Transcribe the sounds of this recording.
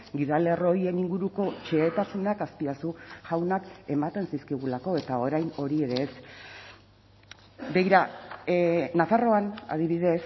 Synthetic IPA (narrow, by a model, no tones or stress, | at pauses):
ɡiðalero̞je̞niŋɡuɾuko̞t͡ʃe̞ːt̪asunakaspiasuʝawnake̞mat̪e̞nsiskiɣ̞ulako̞e̞t̪ao̞ɾajno̞ɾie̞ɾe̞s | dejɾa | nafaro̞ana̰ð̞iβ̞iðe̞s